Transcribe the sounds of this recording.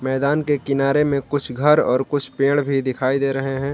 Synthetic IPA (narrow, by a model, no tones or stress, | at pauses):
mɛːd̪aːnkekɪnaːɾemẽkʊt͡ʃʰɡʱɐɾɔ̰ːɾkʊt͡ʃʰpẽːɽ̃bʱid̪ɪkʰaːid̪eːɾɐɦeɦɛ̃ː